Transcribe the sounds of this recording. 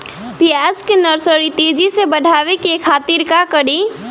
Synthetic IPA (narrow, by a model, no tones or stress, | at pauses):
piad͡ʒkenəɾsəɾit̪ed͡ʒisebəɖʱaʋekekʰat̪iɾkakəɽi